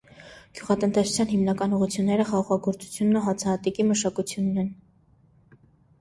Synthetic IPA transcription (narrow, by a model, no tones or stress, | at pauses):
ɡ̥juʁɑt̪ənt̪ɛsu̥t͡sʰjɑnɦimnɑkɑnuʁut͡sʰjunːɛɾəχɑʁɑʁɑɡɔɾt͡su̥t͡sʰjunːuɦɑt͡sʰɑɑt̪ikiməʃɑkut͡sʰjunːɛn